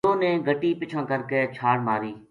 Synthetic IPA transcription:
õːnẽːɡʱəʈiːpɪt͡ʃʰãːkəɾkeːt͡ʃʰaːɽmaːɾiː

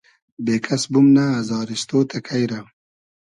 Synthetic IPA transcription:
beːkʰasbumnaːzɑːɾist̪ot̪ʰakʰajɾa

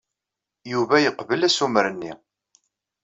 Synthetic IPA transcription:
juvæjəqvəlæsuməɾənːi

